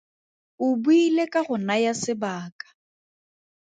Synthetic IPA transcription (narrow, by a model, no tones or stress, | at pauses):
ʊbuilekʼaɣʊnajasɪbaːkʼḁ